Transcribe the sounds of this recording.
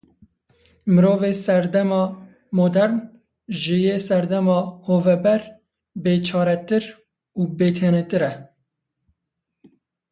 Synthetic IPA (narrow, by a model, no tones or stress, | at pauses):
mɨɾoːveːsɛɾd̪ɛmɑː | moːd̪ɛɾn | ʒɨjeːsɛɾd̪ɛmɑːhoːvɛbɛɾ | beːt͡ʃʰɑːɾɛt̪ɨɾ | uːbeːt̪ʰenet̪ɨɾɛ